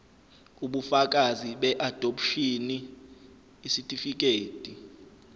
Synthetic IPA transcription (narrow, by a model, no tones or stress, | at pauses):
uɓufak̬ʼaziɓɛʔad̥ʱopʰʃiniː | sitʼifik̬ʼeːtʼi